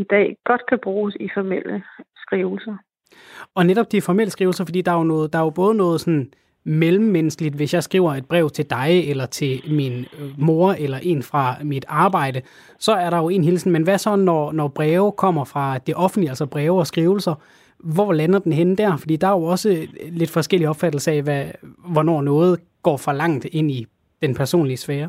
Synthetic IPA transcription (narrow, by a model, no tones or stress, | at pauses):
id̥ɛ̰ːɡ̥ɒ̽d̥kʰæb̥ʁuːsifɒmel̰əsɡ̥ʁiːʊl̩sɐ | ɒ̽neɾ̥ɒ̽b̥̚d̥ifɒmel̰əsɡ̥ʁiːʊl̩sɐfɒ̽dḭːd̥ɑ̈æjonɔːð̩ˠd̥ɑ̈æjob̥ɔ̽ːð̞̩ˠnɔ̽ːð̞̩ˠsɒ̽nn | melm̩ːenəsɡ̥əlid̥ʋe̝sjɑ̈ɪsɡ̥ʁḭːʊ̰ɐe̝d̥̚b̥ʁɛ̰ːʊ̰t͡sʰe̝ld̥ɑ̈ɪelɐt͡sʰe̝lminmo̝ɐelɐʔe̝̰ːnfʁɑ̈mid̥ɑ̈ːb̥ɑ̈ɪ̰d̥ə | sɒ̽æɐɾɑ̈jo̝e̝ːnhilsn̩menʋæsɒ̽nɒnɒb̥ʁɛːʊkʰɒ̽m̰ɐfʁɑ̈d̥eʔɒ̽fnd̥liælsɐb̥ʁɛːʊɒsɡ̥ʁiːʊl̩sɐ | ʋɒlænɐd̥enɦen̰d̥æɐ̰fɒd̥ḭːd̥ɑ̈æjo̝ɒ̽səle̝d̥fɒ̽sɡ̥el̰iɒ̽b̥fæd̥l̩səæɛʋæʋɒnɒ̰ːnɔ̽ːð̞̩ˠ | ɡ̥ɒ̰ːfɒ̽lɑ̈ŋ̰d̥e̝n̰i | d̥enpʰæɐso̝̰ːnliəsfɛːɐ